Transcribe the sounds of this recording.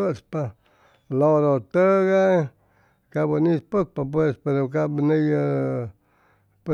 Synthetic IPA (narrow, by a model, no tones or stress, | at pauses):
əʔspa | loɾot̪əɡa | kabənĩspək̚pap̬wespeɾokabənijə | p